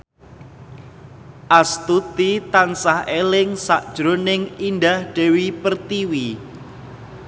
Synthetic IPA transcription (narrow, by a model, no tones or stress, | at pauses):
ʔast̪ut̪it̪ansahʔelɪŋsaʔd̥ʒ̥ɾonɪŋindahɖ̥e̤wipərt̪iwi